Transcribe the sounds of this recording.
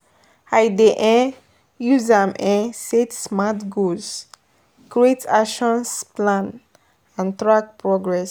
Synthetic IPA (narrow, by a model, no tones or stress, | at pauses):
ajdeʔɛ̃ | juzãmɛ̃setsmatɡoz | kɹietʰaʃɔ̃nsplãn | ãntɹak̚pɹɔɡɹɛs